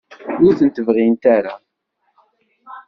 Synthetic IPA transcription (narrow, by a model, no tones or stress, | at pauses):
ʊɾθənt̪əvʁint̪aɾa